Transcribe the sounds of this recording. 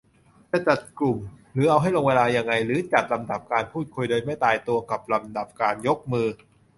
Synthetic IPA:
mɛː˥˩t͡ɕa˨˩t̪̚klu˨˩mɾɯː˩˦ʔa˧wɦa˥˩jloː˧ŋweː˧laː˧ja˧ŋːa˧jɾɯː˨˦t͡ɕa˨˩t̪̚la˧mda˨˩p̚kaː˧npʰuː˥˩t̪̚kʰu˧jdoː˧jma˥˩jt̪aː˧jt̪u˧ɐka˨˩p̚la˧mda˨˩p̚kaː˧njo˦˥k̚mɯː˧

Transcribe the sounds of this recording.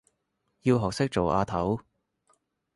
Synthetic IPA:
jiː˧wɦɔː˨k̚sɪ˥k̚t͡ʃo˨˩wʔaː˧t̪ʰɐ˨˥w

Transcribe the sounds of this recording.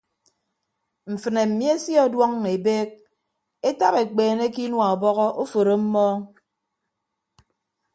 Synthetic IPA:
m̩˨fɨ˨ne˨m̩˨mi˦e˦sjɔ˦dwɔ˦ŋːe˨beː˦k̚ | e˦ta˦pe˨k͡peː˨ne˦ki˦nwa˨ɔ˨bɔ˦ɣɔ˦ʔo˦fo˨ɾo˦m̩˦mɔː˦

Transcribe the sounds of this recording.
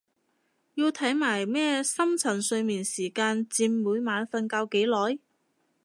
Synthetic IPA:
jiː˧wt̪ʰɐ˨˥jmaː˨˩jmɛː˥sɐ˥mt͡sʰɐ˨˩nsɵ˧ɥmiː˨nsiː˨˩kaː˧nt͡siː˧mːuː˨˧˥jmaː˨˧nfɐ˧nkaː˧wke˨˥jlɔː˨˥j

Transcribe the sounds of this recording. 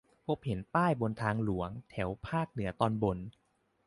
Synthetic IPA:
pʰo˦˥p̚he˩˦npaː˥˩jbo˧nt̪ʰaː˧ŋlu˩˦ɐəŋt̪ʰɛ˩˦wpʰaː˥˩k̚nɯ˩˦ɐt̪ɔː˧nbo˧n

